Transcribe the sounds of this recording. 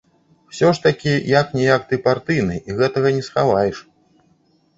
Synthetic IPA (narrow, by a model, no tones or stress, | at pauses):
wsʲɔʂt̪ɐkʲijaknʲɛjak̚t̪ɨpart̪ɨjnɨʔiɣɛt̪ɐɣɐnʲɛsxavajɛʂ